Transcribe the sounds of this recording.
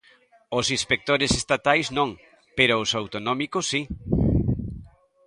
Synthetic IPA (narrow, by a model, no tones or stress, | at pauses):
ʊsĩnspek̚t̪oɾɪsest̪at̪ajsznõŋ | peɾʊːsawt̪onɔmikʊsːi